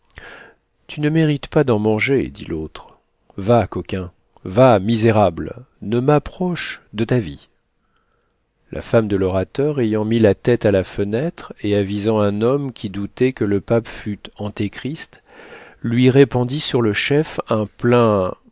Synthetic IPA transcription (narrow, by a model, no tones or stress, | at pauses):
t̪ynəmeʁit̪pad̪ɑ̃mɑ̃ʒḛd̪ḭlʔot̪χ | vakɔkʲɛ̃ | vamizeʁabl | nəmapχɔʃd̪ət̪avi | lʔa̰famd̪əlɔʁat̪œʁejɑ̃milat̪ɛt̪alafənɛt̪χeavizɑ̃ɛ̃nɔmkʲʰid̪ut̪ɛkələpapfyt̪ɑ̃t̪ekχist̪ | lɥiʁepɑ̃d̪isyʁləʃɛfɛ̃plɛ̃